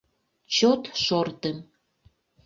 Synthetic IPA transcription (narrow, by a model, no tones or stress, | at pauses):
t͡ɕot̪ʃort̪əm